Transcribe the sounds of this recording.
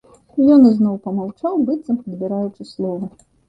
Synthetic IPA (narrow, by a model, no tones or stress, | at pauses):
jɔnɨznɔwpɐmawt͡ʂawbɨt̪sɐmpɐd̪bʲiɾajut͡ʂɨslˠɔvɐ